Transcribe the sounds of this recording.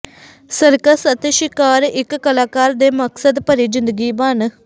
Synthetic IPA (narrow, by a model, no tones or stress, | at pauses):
səɾkəsət̪eːʃɪkaːɾɪkːəlaːkaːɾd̪eːməksəd̪pəɾiːd͡ʒɪnd̪əɡiːbən